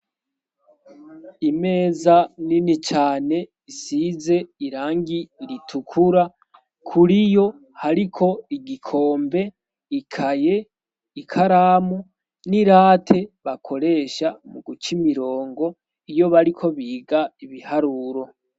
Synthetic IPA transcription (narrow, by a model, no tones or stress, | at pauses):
ime̞ːzaninit͡ʃaːne̞ | isize̞iɾaːŋɡiɾitʰukʰuɾa | kʰuɾijo̞ | haɾikʰo̞iɡikʰo̞ːmbe̞ | ikʰaje̞ | ikʰaɾaːmu | niɾaːtʰe̞βakʰo̞ɾe̞ːʃamuɡut͡ʃimiɾo̞ːŋɡo̞ | ijo̞βaɾikʰo̞βiːɡaiβihaɾuɾo̞